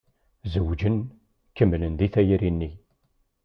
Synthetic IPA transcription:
zəwd͡ʒən | kːəmːlənðiθæjɾinːi

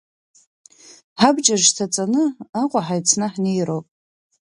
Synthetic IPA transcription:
ħabd͡ʒaʒtʰat͡sʼanɨaqʷʼaħajt͡sʰnɨħnejɾowpʼ

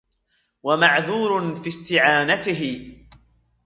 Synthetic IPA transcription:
wamaʕðuːɾfiːst̪ɪʕaːnat̪ɪɦɪ

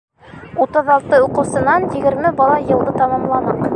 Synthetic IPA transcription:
ut̪ɤðɑlˠt̪ɤuqɤ̆wsɤ̆nɑnjɘ̆ɡɘ̆ɾmɘbɑlˠɑjɤ̆lˠðɤt̪ɑmɑmlˠɑnɤq

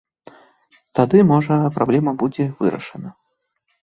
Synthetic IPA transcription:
t̪ad̪ɨmɔʐɐpɾablʲɛmɐbud͡zʲɛvɨ̰ɾɐ̰ʂɐnɐ

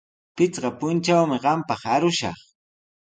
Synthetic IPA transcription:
pɪt͡sɢɑpʊnt͡ʃawmɪɢɑmpɑχaɾʊʃɑ̰χ

